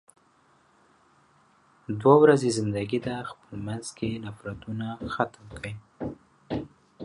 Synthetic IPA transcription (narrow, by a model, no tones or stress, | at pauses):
d̪wawɾazezɪnd̪aɡid̪axpəmanzkenafɾat̪unaxat̪mkʰəj